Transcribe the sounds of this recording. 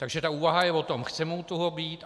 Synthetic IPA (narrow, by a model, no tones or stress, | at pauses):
t̪aɡʒɛt̪auːvaɦajɛvot̪o̞mxt͡sɛmowt̪tːoɦobiːt̪